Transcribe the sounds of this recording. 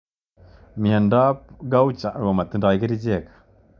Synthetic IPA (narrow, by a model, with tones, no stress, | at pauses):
mi˨a˨nda˦pɡa˦u˦t͡ʃa˨a˨ma˨t̪i˦nda˨i˦ki˦ɾi˦d͡ʒɛ˦˨kḁ˨